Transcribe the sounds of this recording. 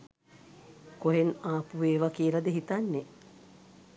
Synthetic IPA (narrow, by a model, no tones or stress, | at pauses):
koɦenaːpuʋeːʋakiːlɐd̪eɦit̪anːe